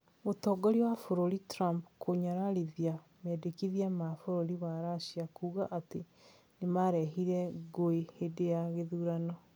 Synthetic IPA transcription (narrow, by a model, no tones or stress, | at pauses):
otɔːɡɔɾiwafoɾoɾitɾampkoɲaɾaɾiðia | mɛdekiðiamafoɾoɾiwaɾaʃiakuːɣaʔate | nemaɾɛɦiɾɛɣoehedejaɣeðuːɾanɔ